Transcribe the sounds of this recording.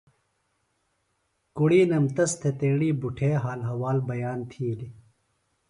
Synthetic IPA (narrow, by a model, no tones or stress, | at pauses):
kuɽiːnɐmt̪ɐst̪ʰet̪ẽːɽiːbuʈʰeːɦaːlɦɐwaːlbɐjaːnt̪ʰiːli